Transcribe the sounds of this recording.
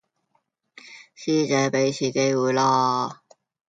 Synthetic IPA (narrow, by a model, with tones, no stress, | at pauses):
siː˥t͡sɛː˨˥pe˨˥jt͡sʰiː˨˩ke˧˥jwuː˨˧jlaː˧